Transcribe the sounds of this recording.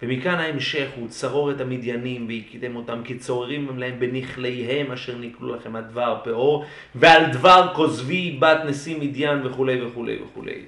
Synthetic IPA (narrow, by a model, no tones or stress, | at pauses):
vemikanhaemʃe̞χhut͡saʁo̞ʁet̪hamid̪janimveikid̪emo̞tamkit͡so̞ʁeʁimlaembeniχlejɦe̞maʃe̞ʁniklṵlaχe̞mhadvaʁpeʔo̞ʁ | veald̪vaʁko̞zvibat̪nesimid̪janve̞χule̞jveχulḛjvḛχṵlḛj